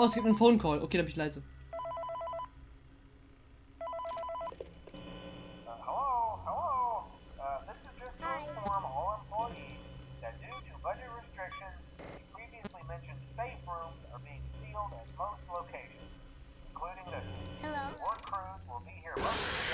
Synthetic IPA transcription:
ʔoʊəsɡip̚tn̩fõʊ̃nkʰɔːlʔo̰kʰeːɾabɪnɪçlaɪzə | ʌhəloʊhəloʊ | ʌðɪsɨzd͡ʒʌstɹə̃fɔɹməɔlˠə̃mpʰl̥ɔɪiðɨt̚d̥ɨtʰɨbʌd͡ʒɨt̚ɹɨstɹ̥ɪkʃɨ̃nzipʰɹ̥iviɨslimɛ̃nʃɨ̃nseɪfɹũmzə̰˞biɪ̃ŋsilˠdɨt̚moʊstˡloʊkʰeɪʃɨ̃nz | ɪ̃n̩kʰl̥ʉɾɪ̃ŋðɨhlowɔɹd̚kʰɹ̥ʉzwɪlˠbihiɹəbaʊ

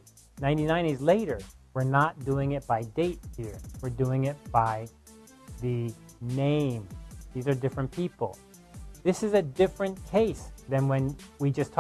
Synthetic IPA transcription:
nãɪ̃ntinãɪ̃nizleɪɾə˞wɨɹnət̚d̥uɪ̃ŋɨt̚b̥aɪdeɪt̚hiɹwɨɹduɪ̃ŋɪt̚b̥aɪ | ðɨ | nẽɪ̃mðizə˞dɪfɹɨ̃npʰipl̩ˠ | ðɪsɨzɨdɪfɹɨ̃nkʰeɪsðɨ̃nwɨ̃nwid͡ʒʌstʰ

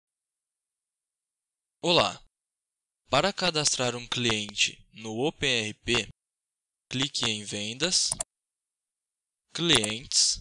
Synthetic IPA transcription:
ola̰ | paɾɐkad̪ast̪ɾaɾũkliẽnt͡ʃɪ̰nʊopẽɛhipe | klikɪẽj̃vẽnd̪ɐs | kliẽnt͡ʃɪ̥s

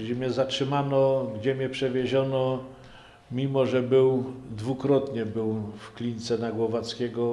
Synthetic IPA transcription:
d͡ʑɛmɲɛzatʂɘmanɔɡd͡ʑɛmʲɲɛpʂɛvʲjeʑɔnɔ | mʲimɔʐɛbɘwd̪vukɾɔt̪ɲɛbɘwfklʲint̪sɛnaɡwɔvat̪skʲɛɡɔ

